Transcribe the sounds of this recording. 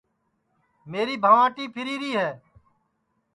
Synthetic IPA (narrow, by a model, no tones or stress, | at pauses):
meːɾiːbʱəʋãːʈiːpʰɪɾiːɾiːɦɛː